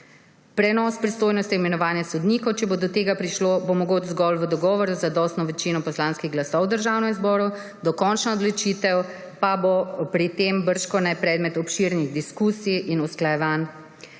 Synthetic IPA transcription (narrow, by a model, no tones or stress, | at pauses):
pɾɛnɔspɾist̪oːjnɔst̪ijmɛnɔʋaːnjasɔd̪niːkɔwt͡ʃɛbod̪ɔt̪eːɡapɾiʃlobomɔɡoːd͡ʒzɡɔlʋəd̪ɔɡɔːʋɔɾuzad̪ɔst̪nɔʋɛt͡ʃinɔpɔslanskiɣɡlasɔwd̪əɾʒawnɛmizbɔːɾu | d̪ɔkɔnt͡ʃnaɔd̪lɔt͡ʃiːt̪ɛw | pabopɾit̪embəɾʃkɔnɛpɾɛːd̪mɛt̪ɔpʃiɾniɣd̪iskusiʔinusklajɛʋan